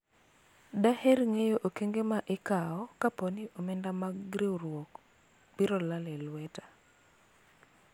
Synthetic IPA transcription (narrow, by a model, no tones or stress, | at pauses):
dahɛrŋejoʔokeŋɡemaʔɪkaɔkaponiʔomɛndamaɡɾewrwɔk | biɾɔlalɛlwɛtḁ